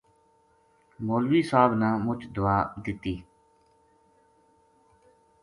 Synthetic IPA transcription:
moːlʋiːsaːbnãːmʊt͡ʃd̪ʊaːd̪ɪt̪ːiː

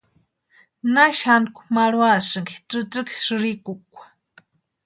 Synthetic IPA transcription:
naʃhankʷu̥maɺwasɨŋkiʈ͡ʂɨt͡sɨki̥ʂɨɾikukʷḁ

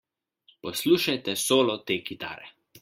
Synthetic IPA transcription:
pɔsluːʃajt̪ɛsoːlɔt̪eːkit̪a̰ːɾɛ

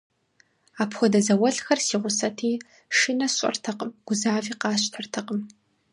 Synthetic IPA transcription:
aːpʰxʷɔdɐzɐwɐɬxɐrsiːʁʷʊsɐtʰiː | ʂɨnɐɕʷʼɐ̰rtʰɐqʼəmɡ̥ʷʊzaːviːqɑːɕtʰɐrtʰɐqʼəm

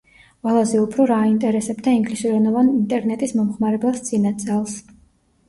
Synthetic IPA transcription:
qʼwɛlˠazɛupʰɾɔɾaint̪ʼɛɾɛsɛbd̪aiŋɡlisuɾɛnɔvanint̪ʼɛɾnɛt̪ʼismɔmχmaɾɛbasd̪sʼinad̪sʼɛlˠs

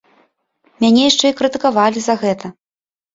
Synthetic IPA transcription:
mʲanʲɛjaʂt͡ʂɛikɾɨt̪ɨkavalʲizɐɣɛt̪ɐ

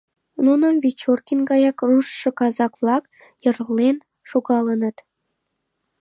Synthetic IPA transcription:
nunə̆βʲit͡ɕːorkʲinɡɑjɑkruʃːɤ̆kɑzɑkvlˠɑk | jɤ̆rʁlen | ʃuɣɑlə̆nə̆t̪

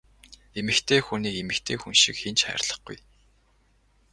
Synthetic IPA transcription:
emɘ̆kt̪ʰeːxuniːkemɘ̆kt̪ʰeːxunʃĭkxent͡ɕχæ̰ːrɮə̆χɡṵj

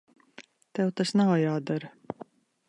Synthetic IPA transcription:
t̪ɛwt̪asnawjaːd̪aɾ

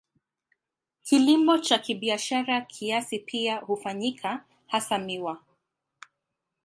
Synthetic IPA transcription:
kilimɔt͡ʃakiɓiaʃaɾakʰiasipʰiahufaɲikʰa | hasamiwa

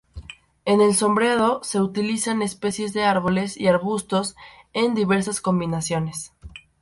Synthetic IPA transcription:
e̞ne̞lso̞mbɾeðo̞se̞ut̪ilisane̞spe̞sje̞zðe̞aɾβ̞o̞le̞sḭaɾβust̪o̞se̞nd̪iβe̞ɾs̬asko̞mbinasjo̞nes

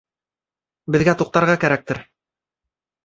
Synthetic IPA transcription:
bɘ̆ðɡæt̪uq̚t̪ɑɾʁɑkæɾæk̚t̪ɘɾ

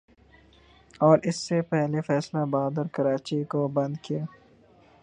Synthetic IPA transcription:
ɔːɾɪsːepɛɦlefɛːslabaːd̪əɾkɐɾaːt͡ʃikobɐ̃nd̪kiaː

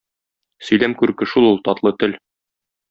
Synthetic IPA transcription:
sɵ̆jlæmkʉɾkɘ̆ʃulˠulˠt̪ɒt̪lˠɤt̪ɘl

